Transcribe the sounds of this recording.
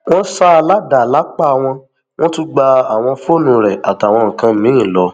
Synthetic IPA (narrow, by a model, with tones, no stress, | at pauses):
w̃ɔ̃˦sa˦˧la˨˦da˨la˨˦k͡pa˦˨w̃ɔ̃˧ | w̃ɔ̃˦tu˦ɡ͡ba˧a˨w̃ɔ̃˧fo˦˨nũ˧ɾɛ˨a˨ta˨w̃ɔ̃˧ŋ̩˨kã˧˦mĩ˨˦ĩ˦˨lɔ˧˦